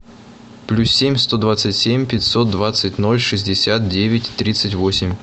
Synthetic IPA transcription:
plʲussʲemʲst̪o̞d̪vat̪sɨtʲsʲemʲpʲɪtʲso̞t̪̚d̪vat̪sɨtʲno̞lʲʂɨzʲdʲɪsʲat̪̚dʲevʲɪtʲt̪ːɾʲit̪sɨtʲvosʲɪmʲ

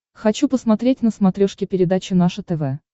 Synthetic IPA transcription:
xɐt͡ɕupəsmɐt̪ɾʲetʲnəsmɐt̪ɾʲoʂkʲɪpʲɪɾʲɪd̪at͡ɕɪnaʂɨt̪ɛvɛ

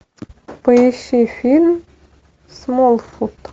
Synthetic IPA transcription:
pəjeɕifʲilʲm | smolˠfut̪

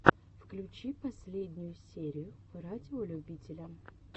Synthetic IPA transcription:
fklʲʊt͡ɕipɐsʲlʲedʲnʲʊjʊsʲeɾʲɪjʊ | radʲɪolʲʊbʲitʲɪlʲəm

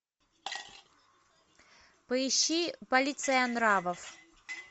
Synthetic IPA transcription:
pəiɕːipɐlʲit̪sɐjanɾavɐf

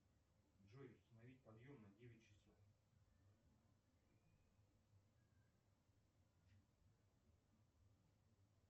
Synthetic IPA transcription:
ʐojʊst̪ənɐvʲit̚ʲpɐd̪jomnɐdʲevʲɪt̚ʲt͡ɕɪ̥sof

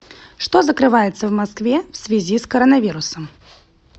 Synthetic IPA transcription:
ʂt̪ozəkɾɨvajɪt̪səvmɐskvʲefsʲvʲɪzʲiskɐɾənɐvʲiɾʊsəm

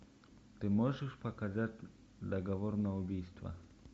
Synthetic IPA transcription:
t̪ɨmɔʐəʂpakazatʲ | d̪aɡavɔɾnaʊbʲijst̪va̰

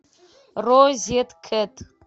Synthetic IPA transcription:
rozjɛtkʰɨtʼ

